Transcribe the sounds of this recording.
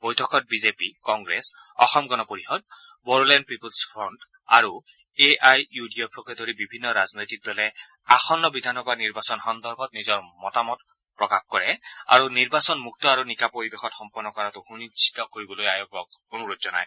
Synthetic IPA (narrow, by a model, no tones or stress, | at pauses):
b̥ɔjtʰɔkɔt̚bizepikɔŋɡɹes | ɔ̰xɔmɡɔnɔpoɹihɔd̚ | bɔɹlɛnd̚pipulspʰɹɔnt | aɹu | eʔajjudiɔpʰɔkɛdoɹibibʱinːɔɹaznojtik̚dɔlɛ | axɔnːɔbid̪ʱanɔbaniɹbasɔnxɔnd̪ɔɹbʱɔtnizɔɹmɔtamɔt | pɹɔkaxkɔɹɛa̰ɹuniɹbasɔnmuk̚tɔaɹunikapoɹibexɔtxɔmpɔɹnːɔkɔɹatʊxunisʰi̥t̪ɔkoɹibɔlojajɔkɔkonuɹutzɔna̰j